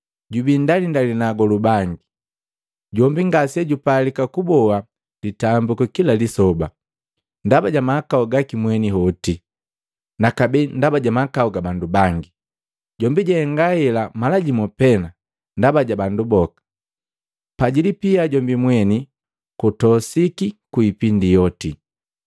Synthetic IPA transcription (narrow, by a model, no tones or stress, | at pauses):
ɟubindalindalinaɡɔlubaŋɡi | ɟɔmbiŋɡasɛɟupalikakubɔa | litambukɔkilalisɔba | ndabaɟamaːkauɡakimwɛniɦɔti | nakabɛndabaɟamakaɔɡabandubaŋɡi | ɟɔmbiɟaɛŋɡahɛlamalaɟimɔpɛna | ndabaɟabandubɔkḁ | paɟilipiaɟɔmbimwɛni | kutɔsikikuipindijɔti